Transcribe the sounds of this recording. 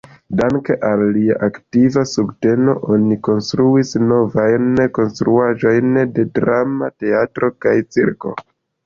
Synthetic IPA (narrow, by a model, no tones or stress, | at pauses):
daŋke̞ʔalːiaʔaktivasubte̞no̞̰ʔo̞niko̞nstɾuisno̞vajnko̞nstɾuaʒo̞jnde̞dɾamate̞atɾo̞kajt͡siɾko̞̰